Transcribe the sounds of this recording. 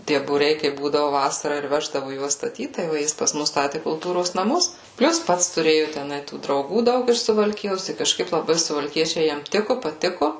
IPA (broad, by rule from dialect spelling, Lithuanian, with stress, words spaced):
ˈtʲiɛ buːˈrʲɛɪ kɐɪp ˈbuːdɐʋʊ ˈʋɑːsɐrɑː ɪr ˈʋʲæːʒdɐʋʊ ˈjuɔs stɐˈtʲiːt tɐɪ ˈʋɐ ˈjɪs pɐs ˈmʊs ˈstɑːtʲɪ kʊlˠˈtuːroːs nɐˈmʊs ˈpʲlʲʊs ˈpɐts tʊˈrʲeːjʊ tʲɛˈnɐɪ tuː drɐʊˈɡuː ˈdɐʊk ɪʃ sʊʋɐlʲˈkʲɪjoːs tɐɪ kɐʃˈkɐɪp lˠɐˈbɐɪ sʊʋɐlʲˈkʲiɛt͡ʃʲɛɪ ˈjɛm ˈtʲɪkʊ pɐˈtʲɪkʊ